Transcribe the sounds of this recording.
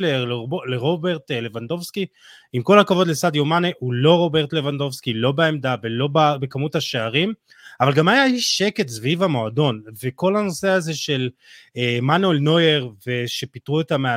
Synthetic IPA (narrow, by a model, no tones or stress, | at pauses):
leʁleʁobeʁt̪le̞vand̪o̞vski | imko̞lakavo̞d̪lesad̪jomaneʔulo̞ʁo̞beʁt̪le̞vand̪o̞vskilobeemd̪avelo̞babe̞kamuthaʃeaʁim | avalɡamajaiʃe̞ke̞tsvivamo̞ado̞nve̞ko̞lano̞se̞aze̞ʃe̞l | emanoelno̞je̞ʁve̞ʃe̞pitʁuetamea